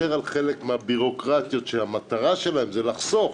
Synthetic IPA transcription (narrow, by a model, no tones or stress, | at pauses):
eʁalχe̞lekmeabiʁo̞kʁat̪jo̞t̪ʃehamat̪aʁaʃe̞laemzelaχso̞f